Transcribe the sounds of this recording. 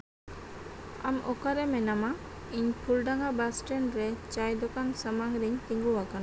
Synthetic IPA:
a̰mɔ̰kaɾemenama | iɲpʰulɖaŋabasʈenɾet͡ʃajd̪okansəmaŋɾiɲt̪iŋɡuwakan

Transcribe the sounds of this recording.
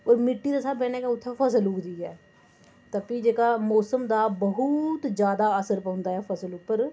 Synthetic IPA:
oːɾmɪʈːiːd̪asaːbɛːneːkaʊt̪ʰːɛfʰəs̬əlʊkd̪iːɦɛː | t̪əpid͡ʒeːkaːmɔːsəmd̪aːbəɦʊt̪d͡ʒjaːd̪aːəsəɾpə̃ːnd̪aːɦɛːfʰəsəlʊpːəɾ

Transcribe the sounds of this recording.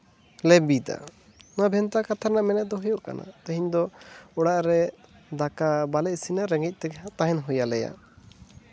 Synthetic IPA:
lɛbid̪a̰ | nabʱɛnt̪akat̪ʰaɾnaʔmɛnɛd̪ɔɦujɔʔka̰na̰t̪əɦiɲd̪ɔɔɽaʔɾɛ | d̪akabalɛsinaɾɛŋɡic̪̚ˀt̪ɛɡat̪aɦɛnɦujalɛja̰

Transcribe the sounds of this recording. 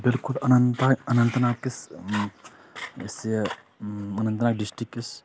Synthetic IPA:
bilkulɐnɐnt̪aɐnɐnt̪naːkis | es | ɐnɐnt̪ɐnaːkɖisʈɾikːis

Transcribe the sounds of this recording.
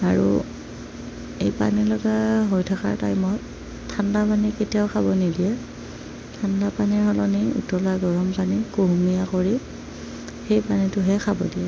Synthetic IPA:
aɹṵ | ejpa̰nilɔɡaɦojtʰaka̰ɹta̰jmɔt | tʰːandapaniketiaʊxʰabɔnidijɛ | tʰandapanɛɹɦɔlɔniṵtɔlaɡɔɹɔmpanikuɦumijakoɹi | xejpanitʊɦɛxʰabɔ̰diɛ

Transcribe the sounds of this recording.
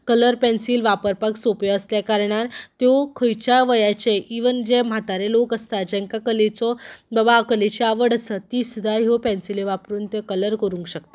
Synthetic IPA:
kələɾpɛnsiːlʋapəɾpaksopjɔəsljakaɾɳat̪jɔkʰəjt͡ɕaʋəjat͡ɕeʔiʋənd͡ʑem̤at̪aɾelokəst̪ad͡ʑɛ̃ŋkakəlet͡sɔbabakəlet͡ɕiaʋəɽəsət̪isud̪ʱaɦjopɛnsileʋapɾuːnt̪jɔkələɾkəɾũŋkɕək̚t̪e

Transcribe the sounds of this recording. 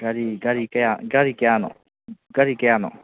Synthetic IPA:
ɡ̥aɾiɡaɾikeaɡaɾikeanɔ̰ | ɡaɾikeanɔ̰

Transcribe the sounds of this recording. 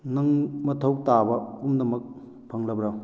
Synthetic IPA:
nɐŋmɐtʰɐw̚tabɐumnɐmɐk̚ | pʰɐŋlɐbɾaw

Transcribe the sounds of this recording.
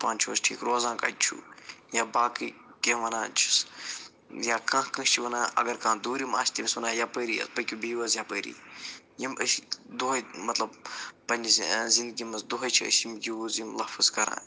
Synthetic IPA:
pãːnʲt͡ʃʰusʈʰḭːkɾoːzãːkɐ̰d̪̚ʲt͡ʃʰṵjabaːkɨkẽːʋɐnaːt͡ʃʰi̥s | jakãːkɐ̃ʃʲt͡ʃʰiʋɐnãːɐ̰ɡɐɾkãːd̪uːɾima̰ːsʲt̪imisʋɐnãːjapəːɾiːɐ̰spɐkʲubiːʋɐzjapəːɾḭː | jiməʃid̪uɦɐjmɐt̪lɐbpɐnʲizzĩnd̪̚ɡimɐsd̪uɦɐjt͡ʃʰiɐ̰ʃimjiʋuzjimlɐfɨzkɐɾã̰ː

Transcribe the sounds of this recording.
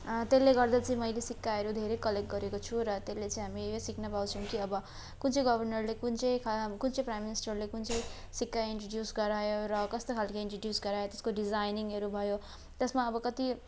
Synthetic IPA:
t̪elːeɡʌrd̪at͡sʌĩmʌjlesikːaʌɾud̪ʱeɾekʌlekʈ̚ɡʌɾekot͡sʰuɾʌt̪elːet͡sʌ̃ĩɦamijosiknʌpaw̃t͡sʰʌw̃kiʌbʌ | kunt͡sʰʌ̃jɡʌbʱʌrnʌrlekunt͡sʌj̃kʰakunt͡sʌ̃jprajmːinisʈʌrlekunt͡sʌĩsikːajiɳʈroɖjusɡʌɾajoɾʌkʌst̪okʰalkʌiɳʈroɖjusɡʌɾajot̪e̥skoɖid͡zajniŋɦʌɾubʱʌjo | t̪esmaʌbʌkʌt̪i

